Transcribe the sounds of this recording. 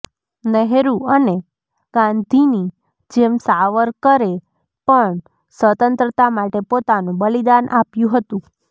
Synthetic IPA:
nəɦɾũəne | ɡ̥ãnd̪ʱini | d͡ʒemsaʋəɾkəɾe | pəɳ | sʋət̪ənt̪ɾət̪amaʈepot̪anũbəlid̪anʔapjũɦət̪ũ

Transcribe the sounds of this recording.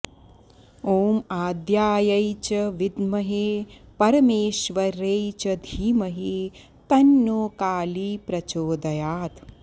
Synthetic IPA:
oːmaːd̪jaːjɐjt͡ʃɐʋid̪mɐɦeːpɐɾɐmeːʃʋɐɾejt͡ʃɐd̪ʱiːmɐɦe | t̪ɐnːoːkaːliːpɾɐt͡ʃoːd̪ɐjaːt̪

